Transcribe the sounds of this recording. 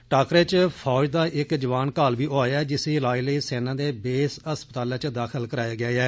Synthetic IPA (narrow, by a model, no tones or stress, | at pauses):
ʈaːkɾeːt͡ʃpʰɔːd͡ʒd̪aːʔɪkd͡ʒəʋaːnkaːlbiːʔoːaːd͡ʒɪsiːlaːiːləiːsɛːnãːd̪eːbeːsəspət̪aːlãːt͡ʃd̪aːkʰəlkəɾaːjaːɡɪjaːɛː